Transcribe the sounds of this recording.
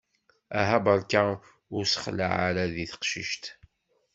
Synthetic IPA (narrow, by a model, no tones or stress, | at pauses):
æɦæbəɾˤka | ʊɾsə̥χla̰ʕaɾaðiθə̥qʃiʃt̪